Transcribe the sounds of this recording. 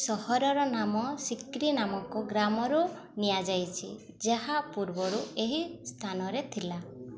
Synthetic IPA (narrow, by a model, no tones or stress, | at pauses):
sɔhɔɾɔɾɔnamɔsikɾinamɔkuɡɾamɔɾu | nijad͡ʒajt͡ʃʰḭ | d͡ʒeɦapuɾbɔɾueɦist̪ʰanɔɾet̪ʰila